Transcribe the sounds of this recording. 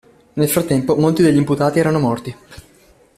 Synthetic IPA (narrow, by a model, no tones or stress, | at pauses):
nelfɾat̪ːɛmpomolt̪id̪eʎːimput̪aːt̪iɛːɾanomɔrt̪i